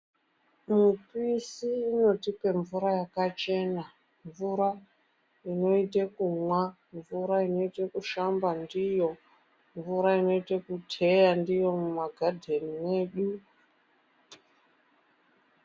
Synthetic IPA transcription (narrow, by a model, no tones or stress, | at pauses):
mupisiːno̞tipe̞ɱvuɾajakat͡ʃe̞na | ɱvuɾa | ino̞itekumwa | ɱvuɾaino̞itekuʃambandijo̞ | ɱvuɾaino̞itekutʰe̞jandijo̞mumaɡʱadʱeniwe̞ːɗu